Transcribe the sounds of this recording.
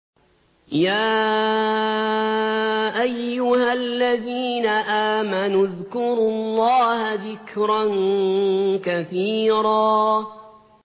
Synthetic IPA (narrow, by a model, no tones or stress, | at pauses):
jaː | ʔajːʊhalːaðiːnaʔaːmanʊðkʊɾʊlːɑːhaðɪkɾˤɑn | kaθiːɾaː